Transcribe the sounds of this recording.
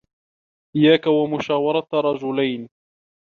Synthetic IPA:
ʔɪjːaːkawamʊʃaːwɑɾˤɑt̪ɾˤɑd͡ʒʊlajn

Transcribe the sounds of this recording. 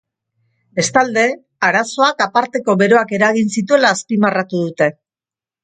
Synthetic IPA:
e̞st̪ald̪e̞ | aɾaso̞akapaɾt̪e̞ko̞βe̞ɾo̞ake̞ɾaɣinsit̪̬ue̞laːspimarat̪uðut̪e̞

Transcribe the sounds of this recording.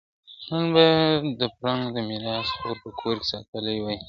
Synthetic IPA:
nənbad̪əpɾɑŋɡd̪əmiɾɑsxoɾpəkʰoɾke̥sɑt̪əlajwai

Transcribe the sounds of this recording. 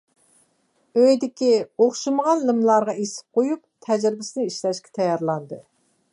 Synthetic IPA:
øjd̪ɪkʲioχʃɨməʁɑnlɨmlˠɑɾʁɑesɪ̥p̚qʰojup̚t̪ʰɛd͡ʒɾɪbɪsɪnɪiʃlɛʃkʲɛ̥t̪ʰɛjɑɾlˠɑnd̪ɨ

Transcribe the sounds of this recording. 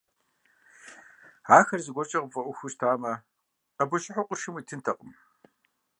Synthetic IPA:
aːxɐrzɨɡʷɔrt͡ʃʼɐʁbfʼɐʔʷʊxʷuɕtʰaːmɐ | ɐbɔʃɪħoqʷʊʃɪmiːtʰɨntʰɐqʷʼʊm

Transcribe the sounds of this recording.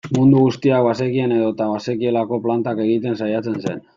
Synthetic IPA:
mund̪uɣust̪iak̚βase̞kiene̞ðo̞t̪aβase̞kie̞lako̞plant̪ake̞ɣ̞it̪e̞nsajat͡se̞nsḛn

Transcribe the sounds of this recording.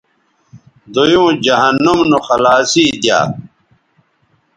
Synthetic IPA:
d̪ojũːd͡ʑɐɦɐnːumnuxɐlaːsiːd̪ja̰ː

